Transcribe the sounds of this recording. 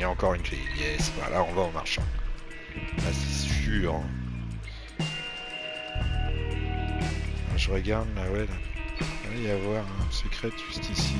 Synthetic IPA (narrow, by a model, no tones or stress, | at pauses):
jaɑ̃kɔʁynfḛjɛsva̰lʔaɔ̃vaɑ̃maʁʃɑ̰̃ | lase̥syʁ̃ | aʒəʁəɡaʁd̪lawɛla | ɛiavwaʁɛ̃səkχɛt̪ʒ̥yst̪isi